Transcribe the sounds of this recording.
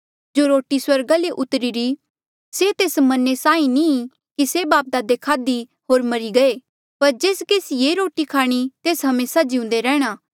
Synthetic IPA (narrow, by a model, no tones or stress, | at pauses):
d͡ʒoːɾoːʈiswɐɾɡaleʔʊt̪ɾiɾi | set̪eːsmɐnesãːĩni | kisebaːp̚d̪ad̪ekʰaːd̪i | ɦoːɾmɐɾiɡɐe | pɐɾd͡ʒeːskeːsjeɾoːʈikʰaːɽ̃it̪eːsɦɐmeːsad͡ʒɪ̃ʊ̃nd̪eɾɛːɽ̃aː